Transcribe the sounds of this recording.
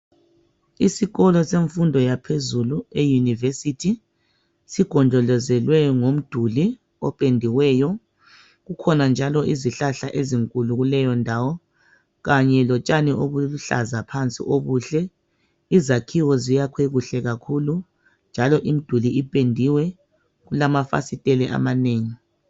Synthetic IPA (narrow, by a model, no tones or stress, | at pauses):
isiɣɔlɔseɱfundʱɔjapʰezuluejunivesitʰi | siɡ̥ʱɔnd͡ʒʱɔlɔzɛlwɛŋom̩d̥ʱuli | ɔpʼendʱiwɛːjɔ | ɣukʰɔnand͡ʒʱalɔʔiziɬaɬaʔeziŋkʼuluɣulɛjɔndʱawɔ | ɣaɲɛlɔt͡ʃʼaniʔoβuluɬa̰zapʰant͡sʼḭʔoβuːɬɛ | izakʰiwɔzijakʰweɣuɬɛɣakʰulu | nd͡ʒʱalɔʔim̩d̥ʱuliipʼendʱiwɛ | ɣulamafa̰sitʼɛlɛʔa̰maneːŋi